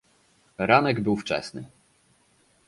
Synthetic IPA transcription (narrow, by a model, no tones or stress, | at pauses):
ɾanɛɡbɘwft͡ʂɛ̰snɘ̰